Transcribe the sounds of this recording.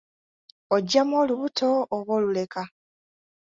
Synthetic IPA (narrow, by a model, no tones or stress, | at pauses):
oɟamoːluβutʰo̞ːβwoːlule̞ka